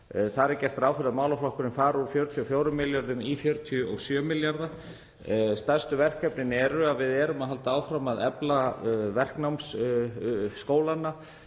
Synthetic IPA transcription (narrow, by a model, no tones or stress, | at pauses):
θaɾɛɾcɛr̥t̪ɾaːwfɪɾðamaːwlaflahkʏɾɪnfaːɾuɾfjowɾʏt̪ʰiɔfjoːwɾʏmːɪljaɾðʏmifjœɾt̪ʰiʏɔɣsjœːmɪljaɾða | st̪ar̥st̪ʏvɛr̥kːɛpnɪnɛɾʏaðvɪðɛɾʏmaðɦalt̪aaːwfɾamːaðɛplavɛr̥knawms | skoːwlanːa